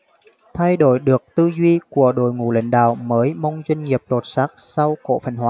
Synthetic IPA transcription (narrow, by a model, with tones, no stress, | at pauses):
t̪ʰa˧jɗo˧˩jɗɨ˨˩ək̚t̪ɨ˧zwi˧ku˧˩əɗo̰˧˩jŋṵ˨˧˩lə̰˨˦ŋ̟ɗa̰ː˧˨wməː˨˦jma˧wŋ͡mzwi˧ŋŋi˨˩əp̚lo˨˩t̚saː˦˥k̚sa˧wko̰˧˥˨fə˨˩nhwaː˨˦